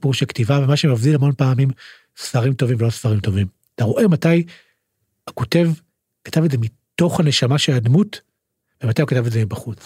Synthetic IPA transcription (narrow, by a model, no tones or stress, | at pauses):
puʁʃektivabemaʃemafdilhamo̞npaːmim | sfaʁimto̞vimvelo̞sfaʁimto̞vim | taʁo̞ʔe̞mataj | ako̞te̞v | kḁtavedzemi | to̞χhane̞ʃamaʃeladmut | vemat̪ajukatavedzemibaχut͡s